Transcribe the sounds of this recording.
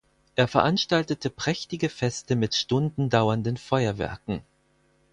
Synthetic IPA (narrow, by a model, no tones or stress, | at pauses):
ʔeːɐfɛɐʔanʃtaltətəpʁ̥ɛçtɪɡəfɛstəmɪtʃtʊndn̩daʊɐndənfɔʏɐvɛ̰ɐkŋ̩